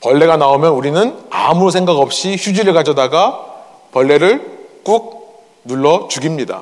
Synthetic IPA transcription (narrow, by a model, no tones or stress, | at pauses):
pʌɭːe̞ɡanaomjʌnuɾinɯna̰musʰe̞ŋɡaɡʌp̚ɕ͈içud͡ʑiɾɯɭkad͡ʑʌdaɡa | pʌɭːe̞ɾɯɭk͈uk̚ | nuɭːʌt͡ɕuɡimɲida̰